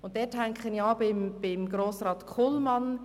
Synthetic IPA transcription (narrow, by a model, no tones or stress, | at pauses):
ʊntdɛːthæŋkχəniɑːbɪmb̥ɪmɡɾoːsrɑːt̪kʰʊlmɑn